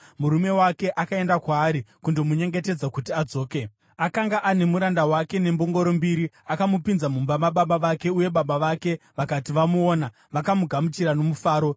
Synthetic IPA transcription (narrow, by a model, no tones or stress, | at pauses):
muɾume̞wake̞ʔakae̞ndakwaːɾikundo̞muɲe̞ŋɡe̞te̞d͡zakutiad͡zo̞ːke̞ | akaŋɡaʔane̞muɾandawake̞ne̞mbo̞ŋɡo̞ɾo̞mbiɾiakamupinzamumbamaɓaɓaʋake̞uje̞ɓaɓaʋake̞ʋakatiʋamuoːna | ʋakamuɡʱamut͡ʃiɾano̞mufaːɾo̞